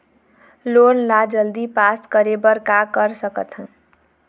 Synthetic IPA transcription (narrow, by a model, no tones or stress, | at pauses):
lonlad͡ʒʌld̪ipaskʌɾebʌɾkakʌɾsʌkʌ̰t̪ʰ